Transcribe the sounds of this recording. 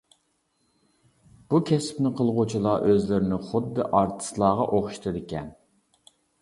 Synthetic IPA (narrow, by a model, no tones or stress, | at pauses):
b̥ukʲʰɛspnɪqʰəlˠʁʊt͡ʃʰilˠɑʔøzlɪɾɪnɪχʊd̪ːɨʔɑɾt̪ʰɨ̥slˠɑːʁɑʔoχʃi̥t̪ʰɨd̪ɪkʲɛn